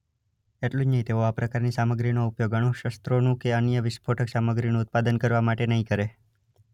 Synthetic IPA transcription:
eʈlũd͡ʒnəɦĩt̪eoapɾəkaɾnisaməɡɾinoupjoɡəɽ̃õʃəst̪ɾonũkeənjəʋɪspʰoʈʰəksaməɡɾinũːt̪̚pad̪ənkəɾʋamaʈenəɦĩkəɾe

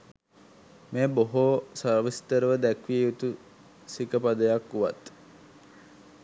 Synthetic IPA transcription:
meːboɦosərʋist̪əɾəʋəd̪ækʋiejut̪u | sikəpad̪əjakːuʋa̰t̪

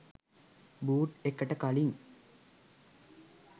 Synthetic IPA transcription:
buːʈekːəʈəkaliŋ

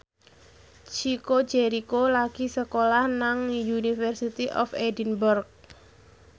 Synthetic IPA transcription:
t͡ʃiko̥d͡ʒeɾikolaɡ̥isəkolahnaŋjunifɛrsit̪iʔɔ̰fedinbərk̚

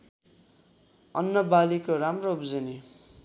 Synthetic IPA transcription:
ʌnːʌbalikoramroubd͡zʌni

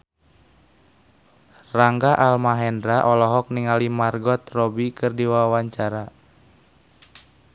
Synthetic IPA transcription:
raŋɡaʔalmaɦɛndɾaʔɔlɔɦɔk̚niŋalimarɡɔt̪rɔbikɨrdiwawwaɲt͡ʃaɾa

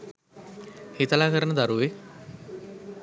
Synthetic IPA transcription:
hit̪əlaːkəɾənəd̪aɾuʋe

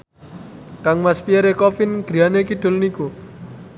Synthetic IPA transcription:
kaŋmaspiaɾekɔfɪnɡ̥ɾianekiɖ̪̥o̤lniku

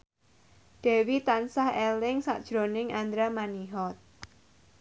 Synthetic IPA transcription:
ɖ̥ɛ̤wit̪ansahɛlɪŋsa̰ʔd̥ʒ̥ɾonɪŋʔand̪ɾamaniɦɔt̪̚

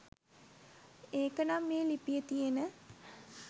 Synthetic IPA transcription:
eːkənamːeːlipijət̪ijenə

